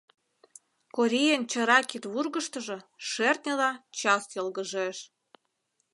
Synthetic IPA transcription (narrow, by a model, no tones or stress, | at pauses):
koɾʲijent͡ɕə̆ɾɑkit̪βurɣəʃt̪əʒɤ̆ʃert̪nʲelɑt͡ɕɑsjɤlɣəʒeʃ